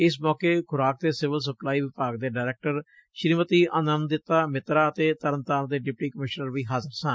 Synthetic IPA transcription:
ɪsmɔːkeːkʰʊɾaːk̚d̪eːsɪʋəls̬əplaːiːʋɪpaːɡ̚d̪eːɖaːɪɾɛːk̚ʈəɾ | ʃɾiːmət̪iːʔənənd̪ɪt̪aːmɪt̪ɾaːət̪eːt̪əɾənt̪aːnd̪eːɖɪp̚ʈiːkəmɪʃnəɾʋiːɦaːzəɾsãː

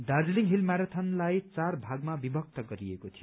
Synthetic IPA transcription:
dard͡zliŋɦilmaɾat̪ʰʌnlajt͡sarbʱaɡmabibʱʌk̚t̪ʌɡʌɾiekot̪ʰijo

